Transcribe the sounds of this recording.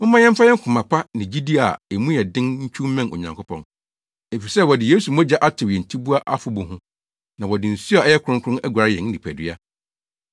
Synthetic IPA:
mʊ̃˦mã˦jɛ̃˦m̩˦fa˦jɛ˦ŋ̩˦kʰʊ̃˨mã˨pʰa˦nɪ̃˨d͡ʑi˦di˦a˨e˨mũ˦jɛ˨dɪ̃˦nɲ̩˦t͡ɕᶣʰũ˦m˦mɛ̃˦no̰˨ɲã˨ŋkʰo˦pʰɔ̰̃˨n | e˨fi˨sɛ˦˨wɔ˨dɪ˨jeː˦su˨mɔ̃˦d͡ʑa˦ʔa˦tʰɪ˨wɛ˨n̩˨tʰi˦bu˦a˦ʔa˦fʊ˨bʊ̃˨ɦʊ̃˦ | nã˨wɔ˨dɪ̃˨n̩˨si˦a˨ɛ˦jɛ˦kʰʊ˨ɾʊ̃˦kʰʊ˦ɾʊ̃˦nɛ˦ɡʷa˨ɾɪ˦jɛ̃˨n˦nĩ˨pʰæ˨dɪ˦a˦

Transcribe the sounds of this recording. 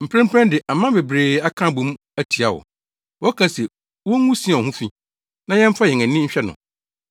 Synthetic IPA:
m̩˨pʰɾɛ̃˦m˦pʰɾɛ̃˦ndɪ˨ʔa˨mã˦be˨bɾeː˨a˦kʰã˦bũ˨m˦ | æ˦tʰi˨a˨wɔ̰˨ | wɔ˦kʰã˦sɛ˨ | wɔ˦ŋũ˦sĩ˦a˨hũ˦fĩ˦ | nã˦jɛ̃˦m̩˦fa˦jɛ˨ŋæ̃˨nːĩ˦ɲ̩˦ɕᶣɛ˦nʊ̰̃˨

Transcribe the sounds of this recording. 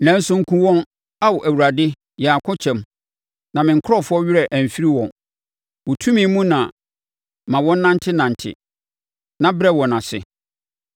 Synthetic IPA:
næ̃˨˦n˦sʊ̃˦ŋ̩˦kʰũ˦wɔ̃˦n | a˦wɔ˨ʔæ˨wu˨ɾa˨dɪ˦ | jɛ˨a˨kʰʊ̃˦t͡ɕʰɛ̃˨m | nã˨mɪ̃˨ŋ̩˨kʰʊ˦ɾɔ˦fʊ˦ɔ˦ɥɪ˦ɾɛ˨ʔæ˨ɱ̩˨fi˦ɾi˦wɔ̰̃˨n | wɔ˨tʰũ˦mĩ˦mũ˦nã˨ | mã˨wɔ̃˦n̩˦nã˦ntʰɪ˦nã˨n˨tʰɪ̰˨ | nã˦bɾɛ˦wɔ̃˨nã˨sɪ̰˨

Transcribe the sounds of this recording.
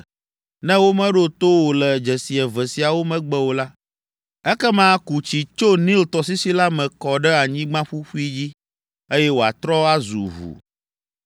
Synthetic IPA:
nɛ̃˦wo˦mɛ̃˦ɖo˦t̪o˦wo˨lɛ˨d͡ʒɛ˨si˨ɛ˨vɛ˨si˨a˨wo˦mɛ̃˦ɡ͡bɛ˦wo˨la˦ | ɛ˦kɛ˦mã˦ku˨t͡ɕi˨t͡ʃo˦nĩ˦lt̪ɔ˨s̬i˦si˦la˦mɛ̃˨kɔ˨ɖɛ˦a˨ɲĩ˦ɡ͡bã˦ɸu˦ɸu˦i˦d͡ʑi˦ | e˦jɛ˦wo˨a̰˨t̪ɾɔ˦a˦zṵ˨vṵ˨

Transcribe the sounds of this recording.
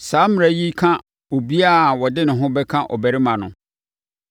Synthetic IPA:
saː˨˦m˨ɾa˨˦ji˦kʰã˦ | o˨bi˦a˦˨wɔ˨dɪ˦nʊ̃˨ɦʊ̃˦bɛ˦kʰã˦ʔɔ̰˨bæ˨ɾi˦mã˨nʊ̰̃˨

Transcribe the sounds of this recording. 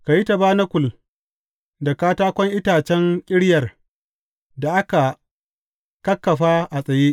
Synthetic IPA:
ka˨ji˦ta˨baː˦nɐ˦kʷʊ˨l | da˨kaː˦taː˦kʷɔ˦ŋʔɪ˦taː˨t͡ʃɛ˦ŋkʲʼɪ˦ɽjɐ˨r | da˨ʔa˦ka˨ | kɐ˦kːɐ˨ɸaː˦ʔa˨sʼɐ˨jeː˦ʔ

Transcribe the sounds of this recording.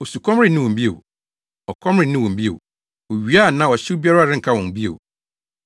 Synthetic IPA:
o˨su˨kʰɔ˦mɾɪ̃˦nɪ̃˦wɔ̃˨m̩˦bi˦ḛ˨w | ɔ˨kʰɔ̃˦mɾɪ̃˦˨nɪ̃˦wɔ̃˨m̩˨bi˦ḛ˨w | wɔ˨ɥi˨a˦˨nã˦˨wɔ˨ɕɪ˦bi˦a˦ɾa˦˨ɪ̃˦ŋ̩˨kʰa˦wɔ̃˨n˨bi˦ḛ˨w̰

